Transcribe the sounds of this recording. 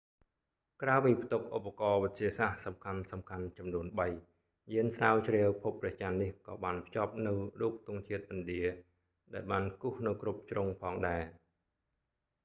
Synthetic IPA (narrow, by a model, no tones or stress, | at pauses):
kraːpiːpʰt̪uk̚ʔopːakɑːʋɨc̚t͡ɕiəsahsɑmkʰansɑmkʰant͡ɕɑmnuənɓəj | jiənsrawt͡ɕrɛəwpʰup̚ːrɛ̆əht͡ɕanːihkɑ̰ːɓaːnpʰt͡ɕŏəp̚nɨwruːk̚t̪ʊəŋt͡ɕiət̪̚ʔɑnɗiə | ɗaɛlɓaːnkʊ̆hnɨwkrup̚t͡ɕruŋpʰɑːŋɗaɛ